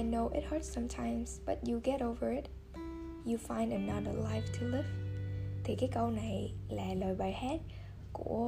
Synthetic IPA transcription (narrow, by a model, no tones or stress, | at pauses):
ajnoʊʔɪ̰t̚hə˞tsʌ̃mtʰãɪ̃mz̥b̥ʌ̰t̚juɡɛɾoʊvə˞ɪt̚ | jufãɪ̃ndənaðə̰˞laɪftʰulɪv̥t̪ʰikajkəwnajlæːlɔjɓajhɛt̚ | kṵə